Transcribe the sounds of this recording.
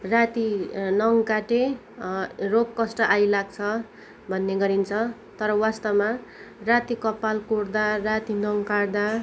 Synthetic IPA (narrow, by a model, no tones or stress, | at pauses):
rat̪inʌŋkaʈe | roɡkːʌsʈʌʔajlaɡ̚t͡sʰʌ | bʱʌnːeɡʌɾint͡sʰʌ | t̪ʌɾʌwast̪ʌmarat̪ikʌpːalkuɽd̪arat̪inʌŋkard̪a